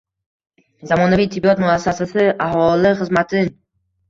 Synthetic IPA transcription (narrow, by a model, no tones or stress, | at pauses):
zamɒnavit̪ʰːɪbːiɒt̪mʊasːasasɪʔahɒlɪχɨzmat̪ʰɪn